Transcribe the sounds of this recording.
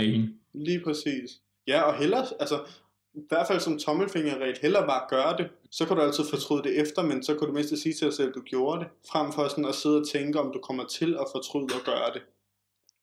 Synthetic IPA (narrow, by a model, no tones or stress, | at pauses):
liːpʰʁɛsḭːs | jæɒ̽ɦel̰ɐælsɐ | ʋæɐ̥fæl̰sɒ̽mt͡sʰɒ̽məlfe̝ŋ̰ɐʁɛ̰ːd̥hel̰ɐb̥ɑ̈ːɡ̥ɶːɐd̥e̝ | sɒ̽kʰæɾuælt͡sʰið̰ˠfɒ̽t͡sʰʁyðˠd̥e̝ʔefd̥ɐmensɒ̽kʰæd̥ume̝̰sd̥əsiːt͡sʰe̝d̥ɑ̈ɪsel̰d̥uɡ̥jo̝ːɐd̥e̝fʁam̰fɒsɒnɒ̽se̝ð̞̰ˠɒt͡sʰeŋɡ̥əɒ̽md̥ukʰɒ̽m̰ɐt͡sʰe̝lɒ̽fɒ̽t͡sʰʁyð̰ˠɒ̽ɡ̥ɶːɐd̥e̝